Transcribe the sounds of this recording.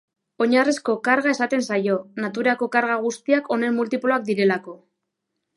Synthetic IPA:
o̞ɲaresko̞kaɾɣae̞sat̪e̞nsajo̞nat̪uɾako̞kaɾɣaɣ̞ust̪iakʰo̞ne̞mmult̪iploak̚d̪iɾe̞lako̞

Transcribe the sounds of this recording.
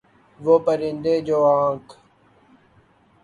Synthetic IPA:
ʋoːpəɾɪ̃nd̪eːd͡ʑoːãːŋk

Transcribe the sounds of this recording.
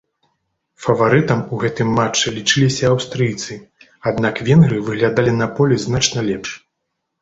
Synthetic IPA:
fɐvaɾɨt̪ɐmuɣɛt̪ɨmːat͡ʂːɨlʲit͡ʂɨlʲisʲɐːwst̪ɾɨjt̪sɨ | ad̪nakvʲɛnɣɾɨvɨɣlʲad̪alʲinɐpɔlʲɛznat͡ʂnɐlʲɛpʂ

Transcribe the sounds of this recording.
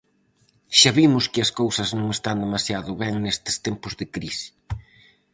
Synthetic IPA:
ʃaβimʊskɪɐskowsɐznõŋest̪and̪emasjaðʊβɛŋnest̪ɪ̥st̪ɛmpʊzðɪkɾisɪ̥

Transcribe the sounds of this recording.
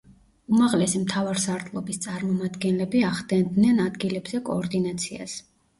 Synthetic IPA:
umaʁlɛsimt̪ʰavaɾsaɾt̪ʰlˠɔbist̪sʼaɾmɔmad̪ɡɛnlɛbiaχd̪ɛnd̪nɛnad̪ɡilɛbzɛkʼɔːɾd̪inat̪sʰia̰s

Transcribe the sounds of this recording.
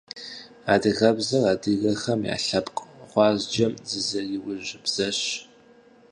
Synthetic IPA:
aːdɨɣɐbzɐraːdɨɣɐxɐmja̰ːɬɐpqʼχʷɑːzd͡ʒɐmzɨzɐɪwʊʑɪbz̥ɐɕ

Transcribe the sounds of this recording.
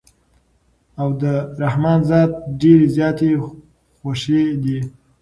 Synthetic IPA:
awd̪əɾahmɑnzɑd̪̚ɖeɾezjɑt̪e | xoʃed̪i

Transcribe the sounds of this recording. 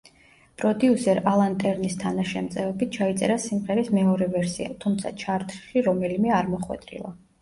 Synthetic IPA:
pʼɾɔd̪iusɛɾalˠant̪ʼɛɾnist̪ʰanaʃɛmt̪sʼɛvɛbit̪̚ʰt͡ʃʰait̪sʼɛɾasimʁɛɾismɛɔɾɛvɛɾsia̰t̪ʰumt̪sʰa̰t͡ʃʰaɾt̪ʰʼʃiɾɔmɛlimɛaɾmɔχwɛ̰t̪ʼɾḭlˠa

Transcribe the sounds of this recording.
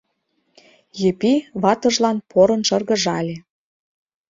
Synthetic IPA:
jɘ̆piβɑt̪ɤ̆ʒlɑnpoɾɤ̆nʃɤ̆rɣɤ̆ʒɑlʲe

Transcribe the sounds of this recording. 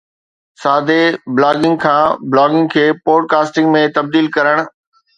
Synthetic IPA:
saːd̪eblaːɡɪ̃ŋɡ̚kʰãːblaːɡɪ̃ŋɡkʰeːpoːɖkaːsʈɪ̃ŋɡmẽt̪ɐb̚d̪iːlkɐɾəɽ̃̆

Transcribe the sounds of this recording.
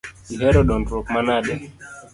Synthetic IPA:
iɦɛɾɔɗɔntɾɔkmanaɗja

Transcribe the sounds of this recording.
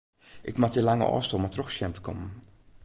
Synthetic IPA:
ʔɪkmatəlaŋə̰ʔɔ̰ːstolˠmatroxsjɛmtə̥kʰɔmən

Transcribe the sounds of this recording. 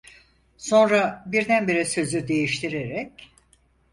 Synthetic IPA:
so̞nɾabiɾd̪ænbiɾisø̞zyd̪e̞jiʃt̪ʰiɾeɾɛc

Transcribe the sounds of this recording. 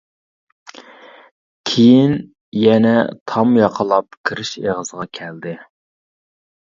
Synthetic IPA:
kʲʰejin | jɛnɛt̪ʰɑmjɑqʰəlˠɑp̚kʲʰiɾɪʃeʁəzəʁɑkʲʰɛld̪ɪ

